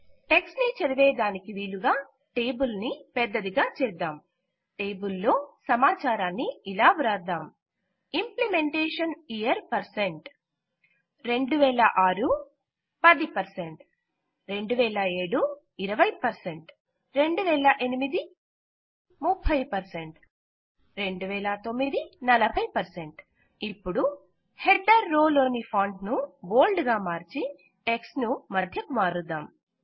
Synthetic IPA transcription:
ʈeksnit͡ʃɐɾiʋɛːd̪aːnikiʋiːɭuɡaː | ʈeːbulnipɛd̪ːɐd̪iɡaːt͡ʃɛːɾd̪aːm | ʈeːbulːo̞ːsɐmaːt͡ʃaːɾaːnːiilaːʋuɾaːɾd̪aːm | implime̞ɳʈeːʂɐnijɐɾpɐɾse̞ɳʈ | ɾe̞ɳɖuʋɛːlɐʔaːɾu | pɐd̪ipɐɾseɳʈ | ɾe̞ɳɖuʋɛːlɐe̞ːɽu | iɾɐʋɐjpɐɾse̞ɳʈ | ɾe̞ɳɖuʋɛːlɐʔenimid̪i | mupʰːɐjpɐɾse̞ɳʈ | ɾe̞ɳɖuʋɛːlɐt̪o̞mːid̪inɐlɐbʱɐjpɐɾse̞ɳʈ | ipːuɽu | heɖɐɾːoːloːnipʰɐːɳɖnubo̞ːlɖɡaːmaːɾt͡ʃi | eksnumɐd̪ʱjɐkumaːɾud̪aːm

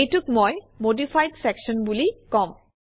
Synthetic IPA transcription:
ejtukmoj | modifʰajdsɛksɔnbulikɔm

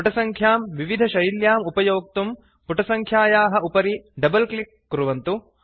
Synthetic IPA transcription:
pʈɐsɐŋkʰjaːmʋiʋid̪ʱɐʃɐjljaːmupɐjoːk̚t̪um | puʈɐsɐŋkʰjaːjaːɦɐ̆upɐɾiɖɐbɐlklikːuɾuʋɐnt̪u

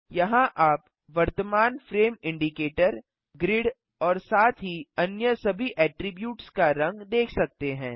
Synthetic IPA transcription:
jɐɦãʔaːp | ʋɐɾt̪əmaːnfɾeːmɪ̃ɳɖɪkeːʈəɾ | ɡɾɪɽ | ɔːɾsaːt̪ʰɦiɐnjəsɐbʱiʔɛːʈɾɪbjuːʈskaɾɐ̃ŋɡd̪eːkʰsɐk̚t̪eɦɛ̃ː

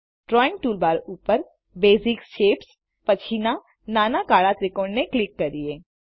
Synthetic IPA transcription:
ʈɾɔːɪ̃ŋk̚ʈuːlbaːɾuːpəɾ | beːzɪkʃeːps | pɐt͡ʃʰina | naːnakaːɽat̪ɾɪkoːnneklɪkːɐɾd̪ieː

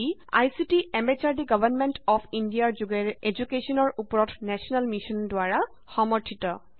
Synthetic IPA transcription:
ia̰jsitiɛmbɛt͡ʃaɹdiɡɔbʱanmentɔpʰindiaɹzuɡɛɹed͡ʒukesɔnɔɹʔupɔɹɔtnɛsʰiɔnalmisɔndʊaɹa | xɔmɔɹtʰitɔ

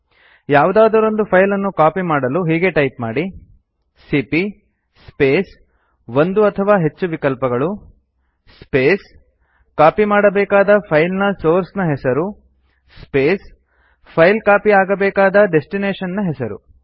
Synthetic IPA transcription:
jaːʋud̪aːd̪ɐɾo̞nd̪upʰɐjlɐnːukaːpimaːɽɐluɦiːɡe̞ʈɐjp̚maːɽi | sipi | speːs | ʋond̪uɐt̪ʰɐʋaːɦe̞t͡ʃːuʋikɐlpɐɡɐɭu | speːs | kaːpimaːɽɐbɛːkaːd̪ɐpʰɐjlnɐso̞ːɾsnɐɦɛsɐɾu | speːs | pʰɐjlkaːpiaːɡɐbɛːkaːd̪ɐɖesʈineːʂɐnːɐɦɛsɐɾṵ

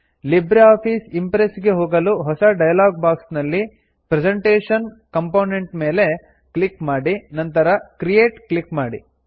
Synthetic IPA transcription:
libɾeaːpʰiːsimpɾesɡe̞ɦoːɡɐluɦɔsɐɖɐjɐlaːɡ̚baːksnɐlːi | pɾed͡ʒeɳʈeːʂɐn | kɐmpoːneɳʈme̞ːle̞ | klikmaːɽinɐnt̪ɐɾɐkɾijeːʈklikmaːɽḭ

